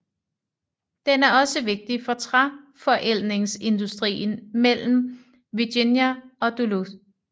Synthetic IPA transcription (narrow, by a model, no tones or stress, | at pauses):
d̥enæɐɒ̽səʋe̝ɡ̥̚d̥ifɒ̽t͡sʰʁa | fɒ̽ʔel̰ʁeŋse̝nd̥usd̥ʁḭːn̩mel̰m̩ | ʋiɡ̥injæɒ̽d̥ulu